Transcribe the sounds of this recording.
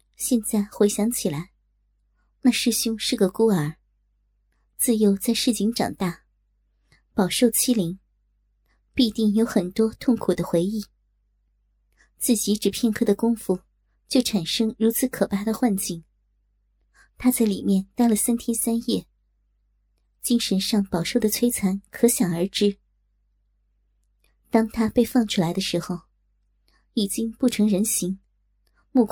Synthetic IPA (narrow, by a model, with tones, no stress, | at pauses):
ɕjɛ˥˧nt͡sa˥˩ɪxwe˧˥ɪɕjɑ˧˥ŋt͡ɕʰi˨˩la˧˥ɪ | na˥˧ʂɻ̩˥˩ɕjʊ˥ŋʂɻ̩˥˩ɡə˩ku˥ə˞˨˧˩ | t͡sɹ̩˥˩jo˧˥ʊt͡sa˥˧ɪʂɻ̩˥˩t͡ɕi˧˥ŋʈ͡ʂɑ̰˨˩ŋt̪a˥˩ | pɑ˨˩ʊʂo˥˩ʊt͡ɕʰi˥li˧˥ŋ | pi˥˧t̪i˥˩ŋjo˧˥ʊxə˨˩nt̪wɔ˥t̪ʰʊ˥˩ŋkʰu˨˩d̪ə˦xwe˧˥ɪi˥˩ | t͡sɹ̩˥˩t͡ɕi˧˥ʈ͡ʂɻ̩˨˩pʰjɛ˥˧nkʰɤ˥˩d̪ə˩kʊ˥ŋfu˥˩ | t͡ɕjo˥˩ʊʈ͡ʂʰa˨˩nʂɤ˥ŋɻu˧˥t͡sʰɹ̩˧˥kʰɤ˨˩pa˥d̪ə˨xwa˥˧nt͡ɕi˥˩ŋ | t̪ʰa˥t͡sa˥˩ɪli˨˩mjɛ˥˧nt̪a˥˩ɪlə˨˩sa˥nt̪ʰjɛ˥nsa˥njɛ˥˩ | t͡ɕi˥ŋʂə˧˥nʂɑ˥˩ŋpɑ˨˩ʊʂo˥˩ʊd̪ə˩t͡sʰwe˥ɪt͡sʰa˧˥nkʰɤ˧˥ɕjɑ˨˩ŋə˞˧˥ʈ͡ʂɻ̩˥ | t̪ɑ˥ŋt̪ʰa˥pe˥˧ɪfɑ˥˧˩ŋʈ͡ʂʰu˥˩la˧˥ɪd̪ə˧ʂɻ̩˧˥xo˥˧ʊ | i˨˩t͡ɕi˥ŋpu˥˩ʈ͡ʂʰɤ˧˥ŋɻə˧˥nɕi˧˥ŋ | mu˥˩k